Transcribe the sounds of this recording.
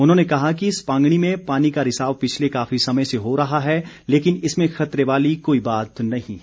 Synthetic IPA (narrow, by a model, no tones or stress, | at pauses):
ʊn̤ɦõːnekɐɦakiɪspãːŋɡɽ̃imẽpaːnikaɾɪsaːʋpɪt͡ʃʰlekaːfisɐməjseɦoɾɐɦaɦɛ | leːkɪnɪsmẽxɐt̪ɾeʋaːlikoːibaːt̪nɐɦĩ